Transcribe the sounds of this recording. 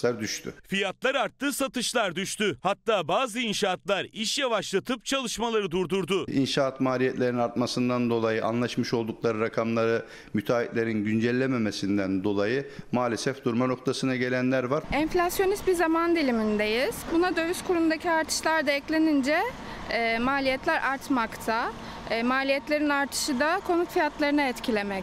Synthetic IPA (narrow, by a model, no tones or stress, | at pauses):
aɾd̪yʃt̪ʰy̰fijat̪lˠaɾaɾt̪ːɯːsat̪ʰɯʃlˠaɾd̪yʃt̪yhat̪ːaːbaːzɯinʃaːt̪lˠaɾiʃjavaʃlˠat̪ʰɯp̚t͡ʃʰalˠɯʃmalˠaɾɯd̪uɾd̪uɾd̪ʊḭnʃaat̪maːlʲijɛt̪lʲe̞ɾinaɾt̪masɯnd̪and̪o̞lˠajɯʔa̰nlˠaʃmɯʃo̞lˠd̪uklˠaɾɯɾakʰamlˠaɾɯ | myt̪ʰaːit̪lʲe̞ɾinɟynd͡ʒɛlʲːememesind̪ænd̪o̞lˠajɯmaːlʲesɛfd̪uɾmano̞k̚t̪ʰasɯnaɟe̞lʲænlʲæɾvaɾɛnflʲasjo̞nist̪̚bizamand̪ilʲimind̪ejiz̥bunad̪ø̞vyskʰuɾund̪acʰiaɾt̪ʰɯ̥ʃlˠaɾd̪aɛclʲe̞nind͡ʒɛː | maːlʲijɛt̪lʲæɾʔaɾt̪makt̪ʰa | maːlʲijɛt̪lʲe̞ɾinaɾt̪ʰɯ̥ʃɯd̪akʰo̞nut̪fijat̪lˠaɾɯnaɛt̪cʰilʲe̞mɛc